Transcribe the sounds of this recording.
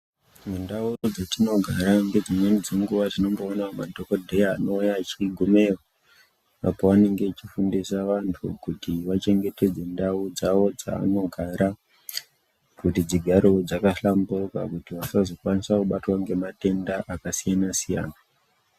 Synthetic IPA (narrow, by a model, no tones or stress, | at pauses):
mundaurod͡zatino̞ɡʱaɾaŋɡe̞d͡zimwenid͡zeŋɡuʋad͡zino̞mboːnama̰dʱoko̞dʱe̞jaːno̞ujat͡ʃiɡʱume̞ra | apoʋane̞ŋɡe̞t͡ʃifundisaʋantʰukutiʋat͡ʃe̞ŋɡe̞te̞d͡ze̞ndaud͡zaʋo̞d͡za̰ːno̞ɡʱaɾa | kutid͡ziɡʱaɾod͡zakaɬambuka̰kutiʋasazokwanisakuɓatwaŋɡe̞mate̞ndaʔakasijanasija̰ːna